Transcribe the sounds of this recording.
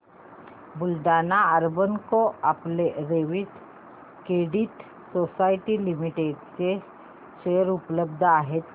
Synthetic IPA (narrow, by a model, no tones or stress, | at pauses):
bʊlɖaːnaəɾbənkoɐpleɾeːʋit̪ | keːɖiʈ̪ | soːsaːɪʈilimiʈeːɖse | ʃeːəɾʊpləbd̪ʱaːɦet̪